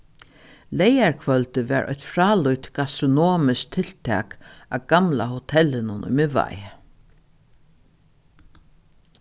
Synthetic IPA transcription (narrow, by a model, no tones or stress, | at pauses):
lɛjaɹkʰvœlt̪ɪʋæ̰ɹʔɔ̰çt̪fɾaːlʊjt̪ɡ̥ast̪ɾʊnoːmɪsk̚t̪ʰɪlt̪ʰɛ̰ːkaɡ̥amlahʊt̪ʰɛlɪnʊnʔʊ̰jmɪva̰j